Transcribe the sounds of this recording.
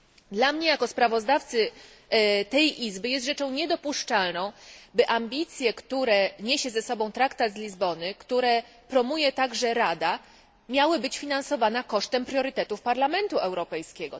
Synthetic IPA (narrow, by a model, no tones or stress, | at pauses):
d̪lamɲɛjakɔspɾavɔzd̪aft̪sɘ | t̪ɛjʔizbɘjɛst̪ʐɛt͡ʂɔ̃w̃ɲɛd̪ɔpuʂt͡ʂalnɔ̃w̃bɘʔambʲit̪sʲjɛkt̪uɾɛɲeɕɛzɛsɔbɔ̃w̃t̪ɾakt̪ad̪zlʲizbɔnɘkt̪uɾɛ | pɾɔmujɛt̪aɡʐɛɾad̪a | mʲjawɘbɘt͡ɕfʲinansɔvanakɔʂt̪ɛmpɾʲjɔɾɘt̪ɛt̪ufpaɾlamɛnt̪uʔɛwɾɔpɛjskʲɛɡɔ̰